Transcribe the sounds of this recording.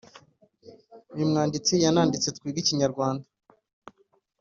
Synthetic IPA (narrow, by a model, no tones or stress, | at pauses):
ɲimŋaːndit͡sijanaːndit͡set̚kwiːɡiciɲaɾɡwaːnda